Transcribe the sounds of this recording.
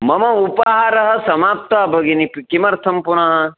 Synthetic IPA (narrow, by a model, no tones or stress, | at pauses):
mɐmɐupɐɦaːɾɐɦɐ̆sɐmaːp̚t̪abʱɐɡinipkimɐɾt̪ʰɐmpunɐɦɐ̆